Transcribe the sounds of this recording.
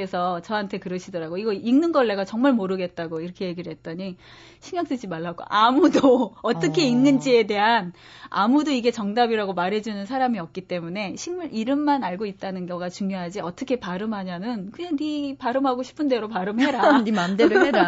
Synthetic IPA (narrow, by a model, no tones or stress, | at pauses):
esʰʌt͡ɕʌɦantʰe̞kɯɾʌɕʰidʌɾaɡoiɡʌiŋnɯnɡʌɭːe̞ɡat͡ɕʌŋmaɭmoɾɯɡe̞t̚t͈aɡoiɾʌkʰe̞je̞ɡiɾɯɭɦe̞t̚t͈ʌɲi | ɕʰiŋɡak̚t͈wed͡ʑimaɭːaɡo̰ʔamudoʌt͈ʌkʰe̞inːɯnd͡ʑie̞de̞ɦan | a̰mudoiɡe̞t͡ɕʌŋdabiɾaɡomaɾɦe̞d͡ʑunɯnsʰaɾamiʌk̚k͈it͈e̞mune̞ɕʰiŋmaɭʔiɾɯmːanaɭɡoit̚t͈anɯnɡjʌɡat͡ɕuŋɲjoɦad͡ʑiʌt͈ʌkʰe̞paɾɯmɦaɲanɯnkɯɲanipaɾɯmɦaɡoɕʰi̥pʰɯnde̞ɾopaɾɯmɦeɾanimamdeɾɯeɾa